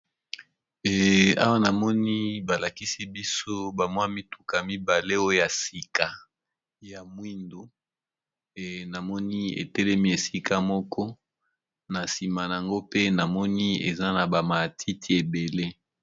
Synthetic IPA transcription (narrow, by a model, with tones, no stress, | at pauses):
ɛ˨a̰˦wa˦na˨mɔ˦ni˦ba˨la˨ki˦si˦bi˦so˦ba˨mwa˦mi˦tu˨ka˨mi˦ba˨le˦o˦jo˨ja˨si˨ka˨ | ja˨mwi˦ndo˨ | na˨mɔ˦ni˦ḛ˨tɛ˦lɛ˦mi˦e˨si˦ka˦mɔ˦kʰɔ˦ | na˨si˨ma˨na˨a˨ŋɡo˦pe˦na˨mɔ˦ni˦ḛ˨za˦na˨ba˨ma˨tʰi˦tʰi˨e˨be˨le˦